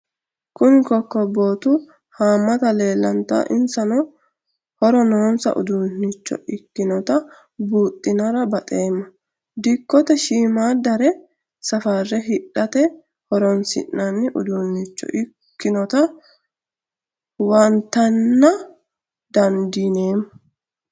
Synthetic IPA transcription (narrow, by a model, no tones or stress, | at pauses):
kʊnkɔkːɔbo̞ːt̪ʊ | haːmːɐt̪ɐle̞ːlːɐnt̪a̰ːʔɪnsɐnɔ | hɔɾɔnɔːnsɐ̰ʔʊ̰d̪unːɪt͡ʃːɔ̰ɪkːɪnɔt̪ɐ | buːt̪ʼːɪnɐɾɐbɐt̪ʼeːmːɐ | d̪ɪkːɔt̪ɛʃiːmaːd̪ɐɾɛ | sɐfɐrːɛɦɪᶑːɐt̪ɛ | hɔɾɔnsɪ̰nːɐnːɪʔʊ̰d̪unːɪt͡ʃːɔ̰ʔɪ | kːɪnɔt̪ɐ | wɐnt̪ːɐnːɐ | d̪ɐnd̪ineːmɐ